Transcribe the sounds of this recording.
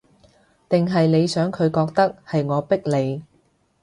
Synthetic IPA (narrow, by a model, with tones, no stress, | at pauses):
t̪ɪ˨ŋɦɐ˨jne˨˧jsœː˨˥ŋkʰɵ˨˧ɥkɔː˧k̚t̪ɐ˥k̚hɐ˨jŋɔː˨˧pɪ˥k̚le˨˧j